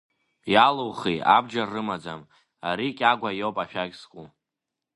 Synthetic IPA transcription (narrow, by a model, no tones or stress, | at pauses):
jaluwχija̰bd͡ʒarɨmad͡zam | a̰ɾikʲʼaɡʷajowpʼaʃᶣaɡʲskʼu